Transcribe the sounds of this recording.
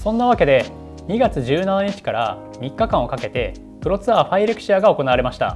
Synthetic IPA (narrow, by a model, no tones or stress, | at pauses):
sõ̞nːaβ̞ake̞d̪e̞ | ɲ̟iɡat͡sɨʑɨːnanaɲ̟it͡ɕi̥kaɾa | mʲikːakãɰ̃o̞kake̞t̪e̞ | pɯ̟ɾo̞t͡sɨaɸaiɾekɯ̥ɕiaɡao̞ko̞naβaɾe̞maɕi̥t̪a̰